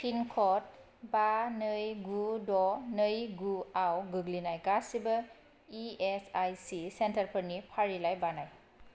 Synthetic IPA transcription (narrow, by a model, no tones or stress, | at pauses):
kʰinkʰɔt̚ | banɯjɡudɔnɯjɡuawɡɯɡlinajɡasibə | iɛsajsisɛntaɹpʰənipʰaɹilajbanaj